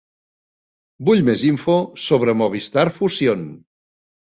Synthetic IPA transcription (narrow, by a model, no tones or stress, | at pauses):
buʎmeziɱfosoβɾəmoβ̞ist̪aɾfusijon